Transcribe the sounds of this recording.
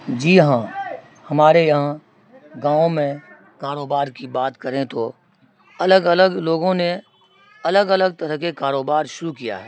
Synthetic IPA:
d͡ʒiːɦã | hɐmaːɾejɐɦã | ɡãːõmẽ | kaːɾoːbaːɾkibaːt̪kəɾẽt̪o | ɐləɡələɡloːɡõne | ɐləɡələɡ̚t̪əɾəɦkekaːɾoːbaːɾʃʊɾukija̰ɦɛː

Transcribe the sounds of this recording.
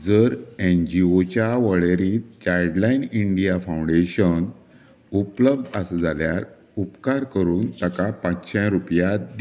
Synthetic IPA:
d͡zəɾend͡ʑiot͡ɕaʋəɭeɾit͡ɕajɽlainiɳɖijafãw̃ɳɖeɕən | upləb̚d̪ʱəsd͡zʱaljaɾ | upkaɾkəɾuːnt̪əkapãt͡sɕɛ̃ɾupjad̪

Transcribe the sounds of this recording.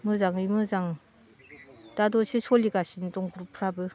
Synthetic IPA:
mɯzaŋimɯzaŋ | d̥adɔsesʰoliɡasindɔŋɡuɾupʰɾabɯ

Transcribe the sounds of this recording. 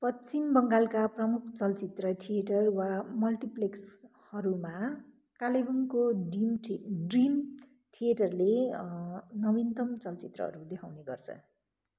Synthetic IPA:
pʌt͡simbʌŋɡalkaprʌmukʰt͡sʌlt͡sit̪rʌt̪ʰijeʈʌrwamʌlʈipleks | hʌɾuma | kalebʌŋkoimɖrim | t̪ʰieʈʌrle | nʌbint̪ʌmt͡sʌlt͡sit̪rʌ̰ɦʌ̰ɾud̪ekʰawneɡʌrt͡sʰʌ̰

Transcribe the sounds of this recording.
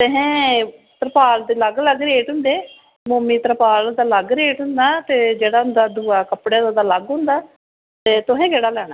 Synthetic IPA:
t̪eɦɛ̃ːt̪əɾəpaːld̪eːləɡləɡɾeːʈɦʊ̃nd̪eː | moːmiːt̪əɾpaːld̪aːləɡɾeːʈɦʊ̃nd̪aːt̪eːd͡ʒeːɽaːʊnd̪aːd̪uːaːkəpɽeːd̪aːd̪aːləɡɦʊ̃nd̪aː | t̪eːt̪ʊɦɛ̃ːɡeːɽaːlɛːɽ̃aː

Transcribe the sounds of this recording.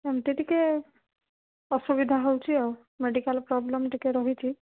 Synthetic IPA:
mt̪et̪ikɛ | ɔsubid̪ʱaɦowt͡ʃʰiɔw | meɖikalpɾɔblɔmʈikɛɾɔɦit͡ʃʰi

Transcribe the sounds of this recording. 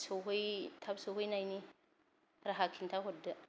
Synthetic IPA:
suɦujtʰabsuɦunajni | ɾaɦakʰintaɦudə

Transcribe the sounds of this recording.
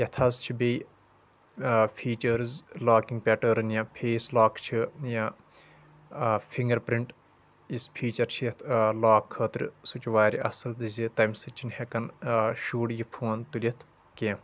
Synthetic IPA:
jɐt̪ʰɐzt͡ʃʰibej | pʰiːt͡ʃɐɾzlaːkiŋɡ̚pʲeʈəːɾɨnjãpʰeːslaːkt͡ʃʰija | fʰiŋɡɐɾpɾiɳʈ | ispʰiːt͡ʃɐɾt͡ʃʰijɐt̪ʰlaːkʰːəːt̪ɾsut͡ʃʋaːɾʲiʔɐ̰sɐlt̪ɨzit̪ɐmsɨt͡ʃʰinhekɐnʃuːɽjipʰuːnt̪ulʲɐt̪ʰ | kẽː

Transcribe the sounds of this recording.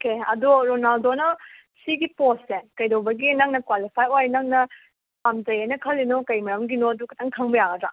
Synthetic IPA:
okeɐ̰duɾonaldonɐ | siɡiposekɐjdowbɐɡinaŋnɐkwalipʰajojnaŋnɐ | pamd͡ʒɐjajnɐkʰɐlːinokɐjmɐɾɐmɡinoɐdukʰɐtʰaŋkʰɐŋbɐjaɡɐdɾa

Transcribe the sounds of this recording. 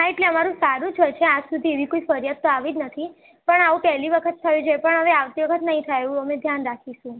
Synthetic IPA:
ɦaeʈleəmaɾũsaɾũd͡ʒʰojt͡ʃʰead͡ʒsud̪ʱieʋikoifəɾjad̪̚t̪oaʋid͡ʒnət̪ʰi | pəɳaʋũpɛɦliʋəkʰət̪̚ʰːəjũd͡ʒepəɳɦəʋeaʋt̪iʋəkʰət̪nəɦĩt̪ʰajeʋũəmed̪ʱjanɾakʰiʃũ

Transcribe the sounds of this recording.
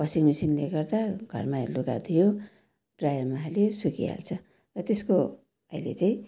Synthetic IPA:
pʌsiŋmisinleɡʌrd̪aɡʱʌ̰rmaḛluɡa̰t̪ʰijo | ɖrajʌrmaɦalesukḭa̰lt͡sʰʌ | rʌt̪esko | ʌilḛt͡saĩ

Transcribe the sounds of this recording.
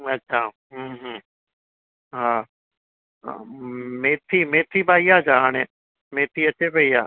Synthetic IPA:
ɐtːʃʰaː | ɦɦ | ɦaː | meːt̪ʰimeːt̪ʰibaːiaːd͡ʒaːnẽː | meːt̪ʰiɐt͡ʃʰepɐia̰ː

